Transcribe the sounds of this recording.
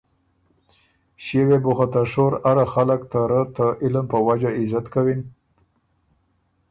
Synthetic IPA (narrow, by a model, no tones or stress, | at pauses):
ʃewebʊxat̪aʂoɾaɾaxaləkt̪aɾət̪əʔɪləmpəwad͡ʒaɪzat̪kawin